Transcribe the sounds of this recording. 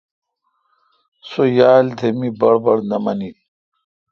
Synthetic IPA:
sojaːld̪ʰʱemibɐɽbɐɽnɐmɐni

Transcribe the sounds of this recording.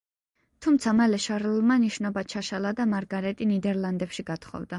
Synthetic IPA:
t̪ʰumt̪sʰamalɛʃaɾɛlˠmaniʃnɔbat͡ʃʰaʃalad̪amaɾɡaɾɛt̪ʼinid̪ɛɾlˠand̪ɛpʃiɡat̪χɔ̰vd̪a

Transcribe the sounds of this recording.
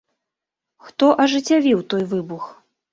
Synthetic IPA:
xt̪ɔʔɐʐɨt͡sʲavʲiwt̪ɔjvɨbux

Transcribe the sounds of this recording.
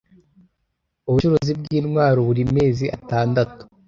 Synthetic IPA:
uβuʃuɾozib̚ɡiːnŋwaːɾoβuɾime̞ːziʔataːndatu̥

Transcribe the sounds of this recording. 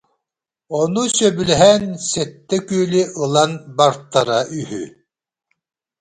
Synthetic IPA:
ɔnusœbylɦɛnsɛt̪ːɛkyːliʔɯlˠanbaɾt̪ːaɾaʔyhy̰

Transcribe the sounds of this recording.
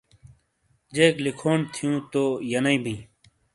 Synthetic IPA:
d͡ʑeːklikʰoːnt̪ʰijũːt̪oːjɐnɐĩbʱĩː

